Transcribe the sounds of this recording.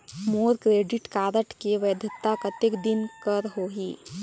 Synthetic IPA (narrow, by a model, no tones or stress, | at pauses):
moːɾkɾeːɖɪʈkaːɾəʈkeʋeːd̪ʱət̪ːakɐt̪ekd̪ɪnkəɾɦoːɦiː